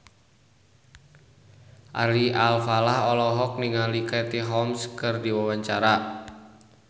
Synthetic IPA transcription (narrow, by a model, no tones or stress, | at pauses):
ʔa̰liʔalfalahɔlɔɦɔk̚niŋalikɛt̪iɦɔmskɨrdiwawaɲt͡ʃaɾa